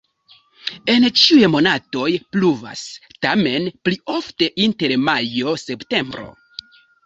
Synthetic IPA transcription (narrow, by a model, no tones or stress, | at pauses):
e̞nt͡ʃiujemo̞nato̞jpluva̰stame̞nplio̞fte̞ʔinte̞ɾmajo̞se̞pte̞mbɾo̞̰